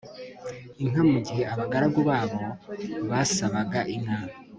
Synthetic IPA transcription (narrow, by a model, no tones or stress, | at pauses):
iŋ̥hamuɟiheaβaɡaɾaɡuβaːβo̞βasaβaɡaʔiŋa